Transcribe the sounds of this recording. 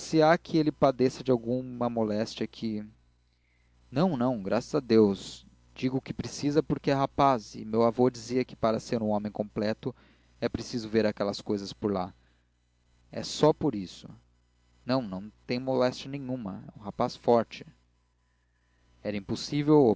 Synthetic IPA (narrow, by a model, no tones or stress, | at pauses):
sɪakʰɪelɪpad̪esɐd͡ʒɪawɡũmɐmolɛst͡ʃiɐkʰɪ | nɐ̃w̃nɐ̃w̃ɡɾʔasɐzad̪ews | d͡ʒiɡʊkɪpɾesizɐpʊɾkɪɛɦapazɪ̰mewavod͡ʒiziɐkɪ̥paɾɐseɾũõmẽj̃kõmplɛt̪ʊ | ɛpɾesizʊveɾakɛlɐskojzɐspoɾla | ɛ̰sɔpoɾisʊ | nɐ̃w̃nɐ̃w̃t̪ẽj̃molɛst͡ʃɐnẽɲ̃ũmɐ̰ɛ̰ũɦapasfɔɾt͡ʃɪ̥ | ɛɾɐĩposivewo